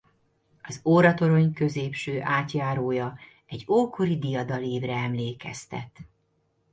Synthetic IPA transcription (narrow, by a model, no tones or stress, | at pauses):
ɒzoːɾɒt̪o̞ɾo̞ɲkø̞zeːpʃøːʔaːt̪jaːɾoːjɒ | ɛɟoːkʰo̞ɾid̪ijɒd̪ɒleːvrɛɛmleːkɛ̰st̪ɛ̰t̪